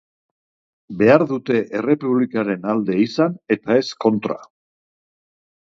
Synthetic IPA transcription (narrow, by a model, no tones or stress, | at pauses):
be̞aɾðut̪e̞ʔere̞puβ̞likaɾe̞nald̪e̞isane̞t̪ae̞sko̞nt̪ɾa̰